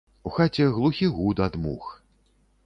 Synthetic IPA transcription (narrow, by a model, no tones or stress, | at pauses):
uxat͡sʲɛɣlˠuxʲiɣud̪ad̪mṵx